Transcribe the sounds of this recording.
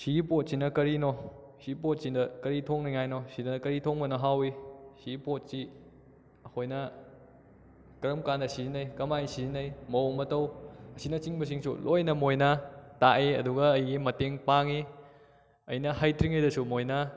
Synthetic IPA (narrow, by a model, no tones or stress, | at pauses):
siɡipot̚sinɐkɐɾinɔ | sipot̚sindɐkɐɾitʰoŋniŋajnosidɐnɐkɐɾitʰoŋbɐnɐɦawisiɡipot̚si | ɐkʰojnɐ | kɐɾɐmkandɐsizinɐjkɐmaisizinɐjmɐmɐtɐwɐsinɐt͡ʃiŋbɐs̬iŋsṵlojnɐmojnɐtaʔeɐ̰duɡɐːjɡimɐteŋpaŋi | ɐ̰jnɐhajtʰɾiŋejdɐsumojna